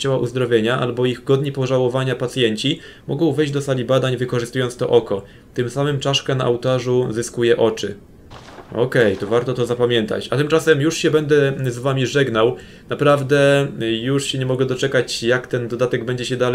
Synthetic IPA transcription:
t͡ɕawaʔuzd̪ɾɔvʲjeɲaʔa̰lbɔiɣɡɔd̪ɲipɔʐawɔvaɲapat̪sʲjɛɲt͡ɕi | mɔɡɔ̃w̃vɛjʑd͡ʑʲd̪ɔsalʲibad̪aɲvɘkɔʐɘst̪ujɔnt̪st̪ɔ̰ʔɔkɔ | t̪ɘmsamɘmt͡ʂaʂkɛna̰ʔawt̪aʐuzɘskujɛʔɔt͡ʂɘ | ɔ̰kɛjt̪ɔvaɾt̪ɔt̪ɔzapamʲjɛnt̪a̰t͡ɕat̪ɘmt͡ʂasɛmjuʂɕɛbɛnd̪ɛzvamʲiʐɛɡnaw | napɾavd̪ɛjuʂɕɛɲɛmɔɡɛd̪ɔt͡ʂɛkat͡ɕjakt̪ɛnd̪ɔd̪at̪ɛɡbɛɲd͡ʑɛɕɛd̪al

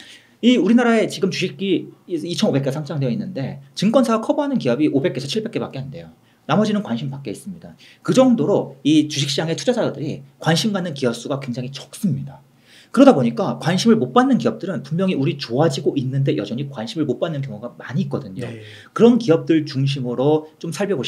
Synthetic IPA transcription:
iuɾinaɾae̞t͡ɕiɡɯmt͡ɕuɕʰik̚k͈iit͡ɕʰʌnobe̞k̬͈esʰamt͡ɕ͈ʰaŋdeʌinːɯnde̞t͡ɕɯŋk͈wʌnsʰaɡakʰʌboɦanɯnkiʌbiʔobe̞k͈e̞sʰt͡ɕʰiɭbe̞k͈e̞pak͈eɦande̞jo | namʌd͡ʑinɯnkwanɕʰimpak͈eis͈ɯmɲida | kɯd͡ʑʌŋdoɾoit͡ɕuɕ̬ʰikɕ͈d͡ʑaŋe̞tʰud͡ʑasadodɯɾikwanɕʰimɡanːɯnkiʌp̚s͈uɡakwe̞ŋd͡ʑaŋit͡ɕʌ̥k̚s͈ɯmɲida | kɯɾʌdaboɲik͈akwanɕʰimɯɭmot̚p͈anːɯnkiʌp̚t͈ɯɾɯnpummjʌŋiuɾit͡ɕoad͡ʑiɡoʔinːɯnde̞jʌd͡ʑʌɲikwanɕʰimɯɭmop͈anːɯnkjʌŋuɡamaɲiːk͈̚ʌdɯɲo | kɯɾʌnkiʌp̚t͈ɯɭt͡ɕuŋɕ̬ʰimɯɾot͡ɕomsʰaɭbjʌboɕ

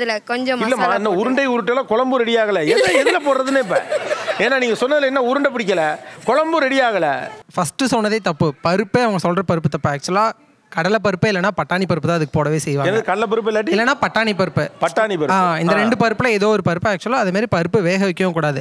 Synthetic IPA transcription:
ɐðɯlɐkɔɲd͡ʒɔ̃mɪlːɐmaɪnd̪ɐʊɾɯɳɖɐɪʊɾɯʈːɐlaːkɔɭɐmbuɾɛɽɪjaːɣɐlɐeːnːaɛðɯlɐpoːɾɾɐðɯneːp̬ːɛ̰̃eːnːaːniːŋɡɐsɔnːɐðɪlɐɛnːaːʊɾɯɳɖɐp̬ɪɽɪk̬ʲːɐlɐkɔɻɐmbuɾɛɽɪjaːɣɐɭɐ̰fɐsʈːɯsɔnːɐðeːt̪ɐpːɯpɐɾɯpːeːɐʋɐŋɡɐsɔlrɐpɐɾɯpːɯt̪ɐpːɯaːk̚t͡ʃɯɐlãː | kɐɽɐlɐp̬ɐɾɯpːɐɪlːɐnːaːpɐʈːaːɳipɐɾɯp̬ːɯt̪ãːɐðɯkːɯpoːɽɐʋeːsɛjʋaːɛnɐɡðɐɯkɐɽɐlɐp̬ɐɾɯp̬ːɐɪlːaːʈ̬ːiɪlːɐnːaːpɐʈːaːnip̬ɐɾɯpːɯpɐʈːaːnipɐɾɯaːɪnd̪ɐɾɛɳɖɯpɐɾɯpːɯlɐ̃eːðoːʋɔɾɯpɐɾɯpːɯaːk̚t͡ʃʊɐlãːɐðɐmaːd̪ɾipɐɾɯpːɯʋeːɣɐʋɛkːɐjʊ̃kuːɽaːðɯ

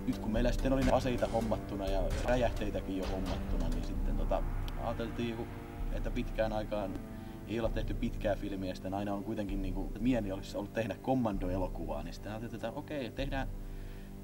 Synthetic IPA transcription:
nyt̪kummeilːˑæsi̥t̪ːenolinɑseit̪ɑhomːɑt̪ːunɑjɑræjæht̪eit̪ækijjohomːɑt̪ːunɑnḭnsit̪ːent̪ot̪ɑɑ̰ːt̪elt̪iːku | ḛt̪ːæpit̪kæːnɑikɑːn | eiolet̪t̪eht̪ypit̪kæːfilmiæsi̥t̪ːenɑinɑoŋkuit̪eŋkinniːŋkumiæniolisːɑolːut̪t̪ehnækkomːɑndoelokuʋɑ̰ːnisi̥t̪ːenɑːt̪elt̪ːet̪ːæʔokeit̪ehdæː

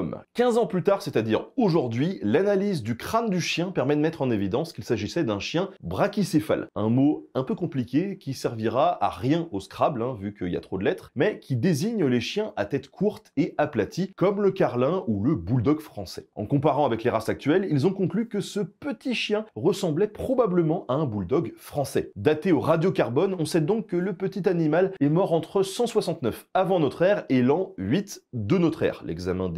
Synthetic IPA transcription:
ɔmkʲɛ̃zɑ̃plyt̪aʁsɛt̪ad̪iʁoʒuʁd̪ɥilanalizd̪ykχand̪yʃjɛ̃pɛʁmɛd̪əmɛt̪χɑ̃nevid̪ɑ̃skilsaʒisɛd̪ɛ̃ʃjɛ̃bʁakʲisefa̰lɛ̃moɛ̃pøkɔ̃plikʲekʲisɛʁviʁaa̰ʁjɛ̃oskχablɛ̃vykəilja̰t̪χod̪əlɛt̪χmɛkʲid̪eziɲleʃjɛ̃ʔat̪ɛt̪kʰuʁt̪eaplat̪ʰikɔmləkʲaʁlɛ̃uləbuld̪ɔɡfχɑ̃sɛ̰ɑ̰̃kɔ̃paʁɑ̃avɛkleʁasak̚t̪ɥɛlilzɔ̃kɔ̃klykəsəpət̪iʃjɛ̃ʁəsɑ̃blɛpχɔbabləmɑ̃ʔaɛ̃buld̪ɔɡfχɑ̃sɛ̰d̪at̪eoʁad̪jokaʁbɔnɔ̃sɛd̪ɔ̃kːələpət̪it̪animalɛmɔʁɑ̃t̪χəsɑ̃swasɑ̃t̪nœfavɑ̃nɔt̪χɛʁelɑ̃ɥit̪d̪ənɔt̪χɛ̰ːʁlɛ̰ɡzamɛ̰̃d̪

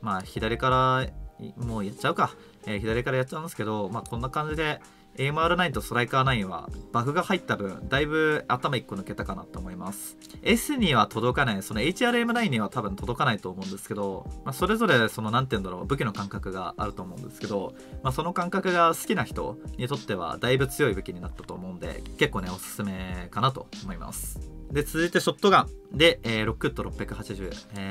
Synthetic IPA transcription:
maçid̪aɾʲikaɾa | moːjatːɕaɯ̟ka | eçid̪aɾʲikaɾajat̚ːt͡ɕːaɯ̟̃nesɨ̥ke̞d̪o̞maːkʰõ̞nːakãɲ̟d͡ʑid̪e̞ | emɯ̟aɾɯ̟naĩt̪o̞so̞ɾaikanaĩβa̰b̥akɯ̟ɡahait̪ːabɯ̟̃ɴd̪aibɯ̟at̪amaikːo̞nɯ̟ke̞t̪akana̰t̪ːoːmo̞imasɨ̥ | esɨɲ̟iβat̪ʰo̞d̪o̞kanaiso̞no̞e̞it͡ɕiaːɾɯ̟e̞mɯ̟naĩɲ̟ːiβat̪abɯ̟̃nt̪o̞d̪o̞kanait̪o̞ːmo̞ɯ̟̃nd̪e̞sɨ̥ke̞d̪o̞maso̞ɾe̞zo̞ɾe̞so̞no̞nãnt̪eɯ̃nd̪aɾo̞̰ːbɯ̟kʲino̞kãŋkakɯ̟ɡa̰a̰ɾɯ̟t̪o̞ːmo̞ɯ̟̃nd̪e̞sɨ̥ke̞d̪o̞ | maso̞no̞kãŋkakɯ̟ɡasɨ̥kʲinaçi̥t̪o̞̰ɲ̟it̪o̞t̪ːe̞βa̰d̪aibɯ̟t͡sɨjo̞ibɯ̟kʲiɲ̟inat̪ːat̪o̞ːmo̞ɯ̟̃nd̪e̞̰ke̞kːo̞ːne̞o̞sɨ̥sɨme̞kanat̪o̞̰omo̞ima̰sɨ̥d̪e̞t͡sɨzɨit̪e̞ɕo̞t̪ːo̞ɡãd̪e̞eːɾo̞kɯ̟t̪ːo̞ɾo̞pʲːjakɯ̟ɦat͡ɕiʑɨ̰ːe

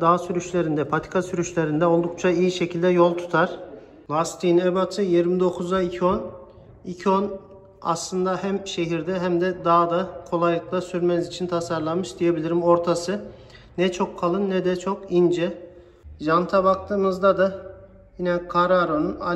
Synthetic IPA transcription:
d̪aːsyɾyʃlʲe̞ɾind̪ɛpʰat̪ʰi̥kʰasyɾyʃlʲe̞ɾind̪ɛo̞lˠd̪uk̚t͡ʃʰaijiʃe̞cʰilʲd̪ɛjo̞lˠt̪ʰu̥t̪ʰaɾ̥ | lˠast̪ʰinɛbat̪ʰɯjiɾmid̪o̞kʰuzaicʰion | icʰion | a̰slˠɯnd̪ahæmʃe̞ɦiɾd̪ɛɦæmd̪ɛd̪ad̪akʰo̞lˠajlˠɯk̚lˠasyɾmɛnzit͡ʃʰint̪ʰasaɾlˠanmɯʃd̪ije̞bilʲiɾimo̞ɾt̪ʰasɯ | nɛt͡ʃʰo̞kʰːalˠɯnːɛd̪ɛt͡ʃʰo̞kind͡ʒɛ | ʒant̪ʰabak̚t̪ʰɯːmɯzd̪ad̪ɯ | jinɛkʰaɾaɾonuna

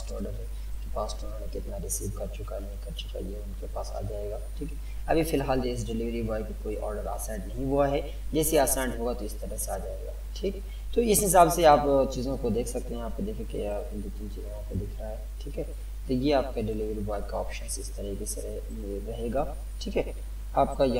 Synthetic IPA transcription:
aːsʈɔ̰ːɾɖəɾɦɛ | kopaːsʈʊnɦoːnekɪt̪naɾɪsiːʋkɐɾt͡ʃʊkanɐɦĩkɐɾt͡ʃʊ̥ka̰jeʊnkepaːsa̰ːd͡ʒaːeːɡaːʈʰiːkɛ | ɐbʱifɪlɦaːld͡ʒoɪs̬ɖɪlɪʋɾiboaɦɛkikoːiʔɔːɾɖəɾa̰ːsãːɖnɐɦĩʋoaɦɛ | d͡ʒɛːsiaːsãːɳɖɦoːɡat̪oɪst̪ɐɾəseaːd͡ʒaːeːɡa̰ːʈʰiːkɦɛ | t̪oɪsɦɪs̬aːbseaːpt͡ʃiːzõkod̪eːkʰsɐk̚t̪eɦɛ̃jaːp̚ked̪eːkʰẽkea | d̪oːt̪nt͡ʃiːzõɦaːpkod̪ɪkʰɾaɦɛːʈʰiːkɦɛ | t̪ojeaːp̚kaɖɪlɪʋɾiboakaɔːpʃənsɪst̪ɐɾəɦkesḛ | ɾɐɦeːɡaː | ʈʰiːkɦɛ | aːp̚kaj

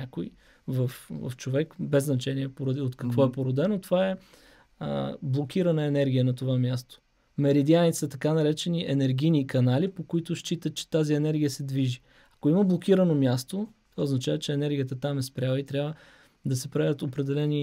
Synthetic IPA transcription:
akoi | vəfvɐ̰ft͡ʃovɛkbɛznɐt͡ʃɛniɛpoɾɐd̪iot̪kɐkvɔɛpoɾod̪ɛnot̪ovaɛ | blˠok̟ʰiɾɐnəɛnɛɾɡʲijənɐt̪ovamʲjast̪o̥ | mɛɾid̪ianisɐt̪ɐkanɐɾɛt͡ʃɛniʔɛnɛɾɡinikɐnalipokoit̪ʊʃt͡ʃit̪ət̪̚t͡ʃɛ̥t̪aziɛnɛɾɡʲijəsɛd̪viʒi | ɐkoiməblˠokʲiɾənomʲjast̪ot̪ovaoznɐt͡ʃavɐt͡ʃɛɛnɛɾɡʲijət̪ət̪amɛspɾʲjalˠəit̪ɾʲavə | d̪ɐsɛpɾɛd̪ət̪opɾɛd̪ɛlɛni

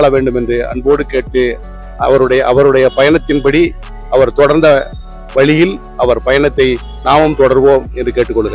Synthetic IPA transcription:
ɭɐʋeːɳɖɯmɛndrɯʔɐ̰npoːɽɯkeːʈːɯ | ɐ̰ʋɐɾɯɽɐjɐʔɐʋɐɾɯɽɐjɐpɐjɐɳɐt̪ːɪnpɐɽi | ɐʋɐɾt̪ɔɽɐɾnd̪ɐ | ʋɐɭɪjɪl | ʔɐʋɐɾpɐjɐnɐt̪ːɐɪ | naːmɯmt̪ɔɽɐɾʋoːmɛndrɯkeːʈːɯkːɔɭːɯɣɐɾ

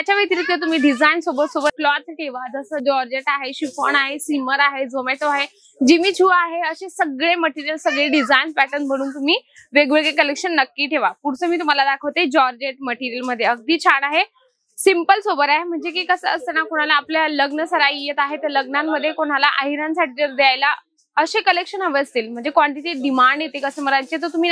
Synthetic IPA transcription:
t̪jat͡ɕaʋet̪iɾit̪lət̪̬um̤iːɖid͡zainsobət̪sobəɾ̚klɔt̪̚ʰʈʰeʋad͡z̪əsəd͡ʑɔɾd͡ʑeʈaɦeɕipə̰ɳaɦesiməɾaɦed͡zomeʈoaɦe | d͡ʑimiːt͡ɕʰuːaɦeəɕesəɡɭeməʈiɾijəlsəɡɭeɖid͡zainspæʈənbʱəɽ̃uːnt̪um̤iː | ʋeɡʋeɡekəlekʂənːəkːiːʈʰeʋapuɽt͡səːmiːt̪um̤alad̪akʰəʋt̪d͡ʑɔɾd͡ʑeʈ̚məʈiɾiəlməd̪ʱːjeəɡ̚d̪iːt͡ɕʰaɽaɦe | simpəlsobəɾaɦem̤əɳd͡zek̬iːkəsəəst̪ənakoɽ̃alaːpljaləɡnəsəɾaijet̪aɦet̪əɾləɡ̚namːəd̪ʱːjekoɽ̃alaʔaɦiɾãnsaʈʰiːt̪əɾd̪jajla | əɕekəlekʂənɦəʋəəst̪iːlm̤əɳd͡zekʋaɳʈiʈeʈ̚ɖimaɳɖjet̪ekəsəːməɾajt͡ɕet̪əɾt̪um̤i

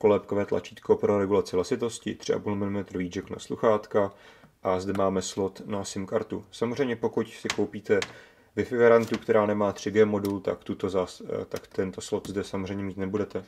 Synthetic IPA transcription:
kolɛpkovɛːt̪la̰t͡ʃiːt̪ko̞pɾo̞ɾɛɡulat͡sɪvlasɪt̪o̞scɪ̰t̪r̥ɪʔa̰pulmɪlɪmɛt̪ɾviːd͡ʒɛkna̰sluxaːt̪ka | ʔazdɛmaːmɛslo̞t̪nasɪmkaɾt̪usamorɛjmɲɛpo̞kucsɪko̞wpiːt̪ɛ | vɪfɪɡaɾant̪ukt̪ɛɾaːnɛmaːt̪r̝̥ɪɡɛːmo̞dult̪a̰kt̪ut̪o̞zat̪akt̪ɛnt̪o̞slo̞t̪zdɛsamozr̝ɛjɲɛmiːt̪nɛbudɛt̪ɛ

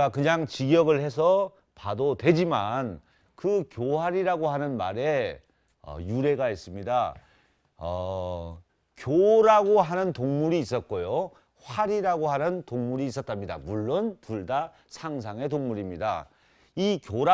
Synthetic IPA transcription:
akɯɲaŋt͡ɕiɡjʌɡɯɭhe̞sʰʌ | padotwe̞d͡ʑiman | kɯkjoɦaɾiɾaɡoɦanɯnmaɾe̞ | ʌ̰juɾe̞ɡais͈ɯmɲida | ʌ | kjoɾaɡoɦanɯntoŋmuɾiːs͈ʌt̚k͈ojo | ɸwaɾiɾaɡoɦanɯntoŋmuɾiːs͈ʌt̚t͈amɲida̰muɭːontuɭda | sʰaŋs̬ʰaŋe̞toŋmuɾimɲida̰ | ikjoɾa

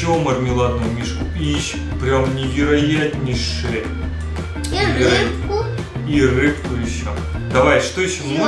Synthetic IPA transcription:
omɐrmʲɪlˠannʊjmʲiʂkʊ | iɕ | pɾʲamnʲɪvʲɪɾɐjatʲnʲɪʂɨjə | irɨkt̪ʊjɪɕːo̰ | d̪ɐvajʂt̪osʲmʲ

